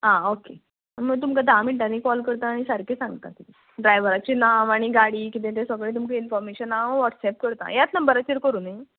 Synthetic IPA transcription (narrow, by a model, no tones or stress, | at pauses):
ɦãoke | mət̪̬umkad̪amiʈanikɔlkəɾt̪aːɽ̃isəɾkʰesãŋɡt̪a̰k̪it̪e | ɖɾajʋəɾat͡ɕiːnamaɽ̃iɡaɽiːkit̪̬ẽt̪ẽsɔɡɭẽt̪̬umkəinfɔɾmeɕənaʋɔʈsɛp̚kəɾt̪a̰jat̪nəmbəɾat͡ɕeɾkəɾuːne